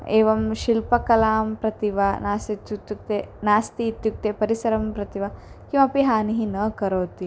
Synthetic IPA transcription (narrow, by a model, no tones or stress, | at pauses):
eːʋɐmʃilpɐkɐlaːmpɾɐt̪iʋanaːst̪it̪ːjut̪juk̚t̪enaːst̪iːt̪juk̚t̪eːpɐɾisɐɾɐmpɾɐt̪iʋɐ | kimɐpiɦaːniɦinɐkɐɾoːt̪i